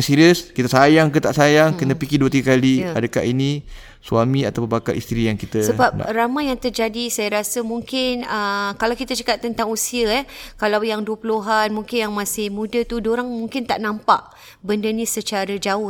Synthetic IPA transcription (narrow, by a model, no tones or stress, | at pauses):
ŋsiɾiəskit̪əsajaŋkət̪aʔsajaŋkənə̃pikɪduət̪iɡəkaliadəka̰ʔinĩ | suamĩat̪awpənbaka̰lʔḭst̪ɾijaŋkit̪əsəbap̚ramajaŋt̪ərd͡ʒadisajaɾasəmũŋkɪnəkalawkit̪ət͡ʃḁkat̪̚ːənt̪aŋusiəɛkalawjaŋduəpuluɦanmuŋkɪnjaŋmasɪhmũdət̪udoɾaŋmuŋkɪnt̪aʔnãmpa̰ʔ | bəndənĩsət͡ʃaɾəd͡ʒaʊ